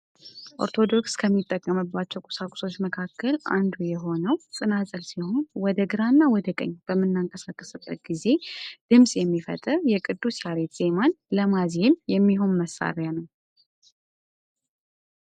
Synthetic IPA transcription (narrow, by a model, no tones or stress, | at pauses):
ʔo̞̰ɾt̪ʰo̞d̪o̞kskʰəmːit̪ʼːəkʼːəmɨbːat͡ʃːɛwkʼʊ̥sakʼʊ̥so̞t͡ʃːməkʰakʰːəlʔa̰nd̪ujɛɦo̞nəwt̪ʼɨnazʼəlsiho̞nwɔd̪əɡɨɾanːawɔd̪əkʼə̰ɲːb̥əmːɨnːaŋkʼəsakʼːəsɨb̪ʼət̪̚ɡ̥ize̞d̪̥ɨmsʼjɛmːifə̰t̪ʼɨɾjɛkʼɨd̪ːusjaɾe̞t̪z̥e̞man | ləmazenjɛmːiɦo̞nməsːa̰ɾjanəw